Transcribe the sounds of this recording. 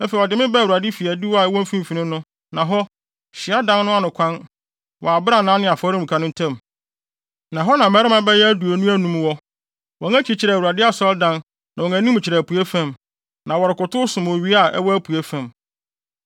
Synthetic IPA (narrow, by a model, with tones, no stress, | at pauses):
fɛ˨ɔ˨dɪ˨˦mɪ̃˦bɛ˦˨u˨ɾa˨dɪ˦fi˨æ˨di˦wa˨ɛ˦wɔ̃˦m̩˦fĩ˦m˨fi˨nɪ̃˦nʊ̃˦ | nã˨ɦɔ˦ | ɕɪ˨a˦dã˦nnʊ̃˦a˦nʊ̃˨kʰʷã˦n | wɔ̰˨a˨bɪ˦ɾa˦nãː˨˦nɪ̃˦a˨fɔ˦ɾɪ̃˦m̩̃˨kʰa˨nʊ̃˦n̩˦tʰɛ̃˦˨m | nã˨ɦɔ˦nã˨mɛ˦ɾɪ˦mã˦bɛ˦jɛ˦æ˦du˨o˨nũ˦æ˦nũ˨mwɔ˦ | wɔ˨˦æ̃˦t͡ɕʰi˨t͡ɕʰɪ˨ɾɛ˨wu˨ɾa˨dɪ˦a˦˨sɔ˦ldã˦n | nã˨wɔ˨ŋæ̃˨nĩ˦m̃˨t͡ɕʰɪ˨ɾɛ˨pu˨e˦fã˦˨m | nã˨wɔ˨ɾɪ˨kʊ˨tʰʊ˦sʊ̃˨m˨ɥi˦a˦˨ʔɛ̰˦wɔ˦æ˦pʰu˨e˦fæ̃˨m